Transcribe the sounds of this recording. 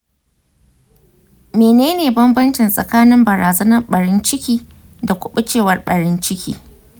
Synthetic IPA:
meː˨neː˦neː˨bɐ˦mbɐ˦nt͡ʃɪ˨nsʼɐ̰˨kaː˦nɪ˦mbɐ˨ɾaː˨zɐ˦nɐ˦rɓɐ˨ɾɪ˦nt͡ʃɪ˦kʲiː˦ | da˨kʷʊ˦ɓʊ˦t͡ʃeː˦˨wɐ˦rɓɐ˨ɾɪ˦nt͡ʃɪ˦kʲḭː˦

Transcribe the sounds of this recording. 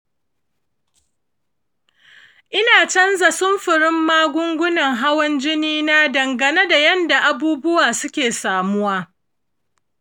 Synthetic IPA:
ʔɪ˦naː˨t͡ʃɐ˦nza˨sʊ˦mɸɪ˨ɾɪ˦mːaː˦ɡʷʊ˦ŋɡʷʊ˦nɐ˨ŋɦa˦wɐ˦nd͡ʒɪ˦niː˦na˦dɐ˨ŋɡɐ˨ne˦da˨jɐ˦nda˨ʔa˨buː˦bʊ˦waː˨sʊ˦kʲeː˨saː˨mʊ˦waː˦

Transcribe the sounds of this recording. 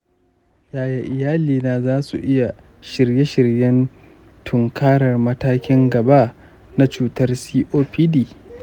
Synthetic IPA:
jaː˨ja˦ʔɪ˨jaː˦liː˨naː˨zaː˦sṵ˨ʔɪ˦ja˨ | ʃɪ˨rje˦ʃɪ˨rjɛ˦n | tʰʊ˨ŋkʰaː˦ɽɐ˨rmɐ˦taː˦kʲɪ˦ŋɡɐ˨baː˦ | na˦t͡ʃuː˨tɐ˦rsiː˦ʔoː˦piː˦diː˨

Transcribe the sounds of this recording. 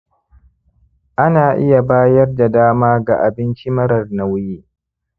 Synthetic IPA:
ʔa˦naː˨ʔɪ˦ja˨baː˦jɐ˦rda˨daː˦maː˦ɡa̰˨ʔa˨bɪ˦nt͡ʃi˦mɐ˦ɾɐ˨rna˦wjiː˦

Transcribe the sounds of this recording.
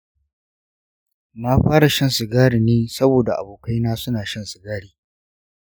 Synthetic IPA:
na˦ɸaː˦ɽa˨ʃɐ˦nsɪ˨ɡaː˦ɽi˨neː˦sɐ˦boː˨da˨ʔa̰˨boː˨ka˦jnaː˦sʊ˦naː˨ʃɐ˦˨nsɪ˨ɡaː˦ɽiː˨

